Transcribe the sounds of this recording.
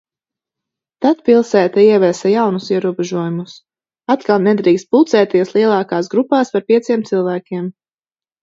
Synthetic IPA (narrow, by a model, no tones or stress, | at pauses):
t̪at̪pilˠsæːt̪aiɛvɛsajawnusiɛɾuɔbɛʒuɔjumus | at̪kalˠnɛd̪ɾiːkst̪̚pulˠt̪sɛːt̪iɛslˠiɛlˠɑːkaːsɡɾupaːspaɾpiɛsiɛmt̪silˠvæːkʲiɛm